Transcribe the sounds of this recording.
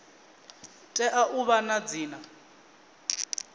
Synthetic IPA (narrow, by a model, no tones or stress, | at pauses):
tʼɛʔaʔuβanad͡ziːna